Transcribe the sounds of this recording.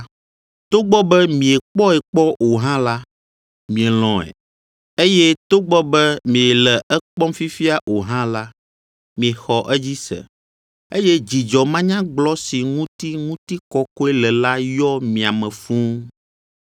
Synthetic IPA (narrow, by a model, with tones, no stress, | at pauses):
t̪o˦ɡ͡bɔ˦bɛ˦mĩ˨e˨k͡pɔ˦ɛ˨k͡pɔ˦o˨ɦã˦la˦ | mĩ˨e˨l̃ɔ̃˨ɛ̰˨ | e˦jɛ˦t̪o˦ɡ͡bɔ˦bɛ˦mĩ˨ɛ˨lɛ˨ɛ˦k͡pɔ˦mfi˦fi˦a˨ʔo˨ɦã˦la˦ | mĩ˨e˨xɔ˨ʔɛ˦d͡ʑi˦sɛ̰˨ | e˦jɛ˦d͡ʑi˨d͡ʒɔ˨mã˦ɲã˦ɡ͡blɔ˦si˨ŋũ˦t̪i˦ŋũ˦t̪i˦kɔ˦kɔ˦ɛ˦lɛ˨la˦jɔ˦mĩ˨a˨mɛ̃˨fũ˦